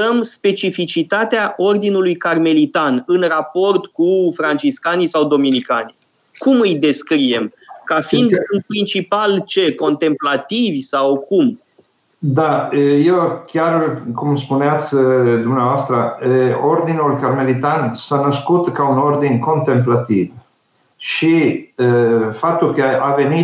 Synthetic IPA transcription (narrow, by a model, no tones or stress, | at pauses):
əmspe̞t͡ʃifit͡ʃit̪at̪eaʔo̞rd̪inulujkarme̞lit̪anɨnrapo̞rt̪kufɾant͡ʃiskanisawd̪o̞minikani | kumɨjd̪e̞skɾije̞mkafind̪unpɾint͡ʃipalt͡ʃe̞ko̞nt̪e̞mplat̪ivʲsawkum | d̪aəjewkʲjarkumspuneat̪sʲd̪umneavoast̪ɾəəord̪inulkarmelit̪ansanəskut̪kaunord̪inʲko̞nt̪emplat̪iv | ʃiəfap̚t̪ulkəʔaveni